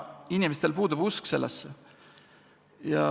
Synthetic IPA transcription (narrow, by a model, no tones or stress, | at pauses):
inʲimest̪elpuːd̪ubuskse̞lːḛsːe | jɑ